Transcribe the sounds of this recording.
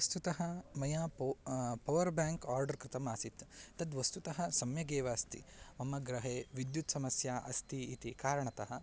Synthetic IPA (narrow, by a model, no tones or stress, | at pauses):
ɐst̪ut̪ɐɦɐmɐjaːppɐʋɐɾbaːŋkaːɾɖɐɾkɾɪt̪ɐmaːsit̪t̪ɐd̪ʋɐst̪ut̪ɐɦɐsɐmjɐɡeːʋaːɐst̪ḭmɐmɐɡɾɐɦeːʋid̪jut̪sɐmɐsjaːʔɐst̪ʰiit̪ikaːɾɐɳɐt̪ɐɦɐ̆